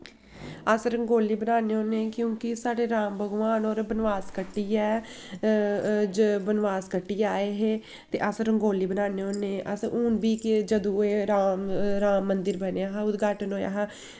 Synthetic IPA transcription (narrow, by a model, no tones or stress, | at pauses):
əsɾəŋɡoːliːbənaːneːɦoːneːkjõːkɪsaːɽeːɾãːmbʱəɡʋaːnoːɾbənʋaːskəʈːiːɛː | d͡ʒəbənʋaːskəʈːiːaːeːɦeː | t̪eːʔəsɾəŋɡoːliːbənaːneːɦoːneːʔəsuːnbiːkd͡ʒəd̪õːeːɾaːmɾaːmːənd̪ɪɾbəneːaːɦaʊd̪ɡaːʈənɦoːja̰ːɦaː